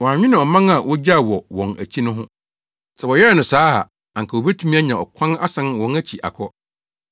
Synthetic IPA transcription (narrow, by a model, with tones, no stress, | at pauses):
wɔ˨a˨ɲᶣɪ̃˦nã˨ɔ˨mã˦ŋa˨wɔ˦d͡ʑa˦˨wɔ˨wɔ̃˨næ̰˨t͡ɕʰi˦nʊ̃˦ɦʊ̃˦ | sɛ˨wɔ˨jɛ˦ɛ˨nʊ̃˨saː˦a˨ | ã˨ŋkʰa˨wo˨be˦tʰũ˦mĩ˦æ˦ɲã˨ɔ̰˨kʷʰã˦na̰˦sã˦nwɔ̃˨næ˦t͡ɕʰi˨ʔa̰˨kʰɔ˦